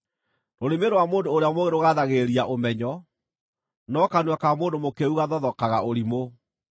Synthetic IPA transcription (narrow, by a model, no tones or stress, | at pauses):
noɾemeɾowamoːndoːɾeamoɣeɾoɣaðaɣeɾiaʔomɛɲɔ | nɔkanwakamoːndomokeuɣaðɔðɔkaɣaoɾimo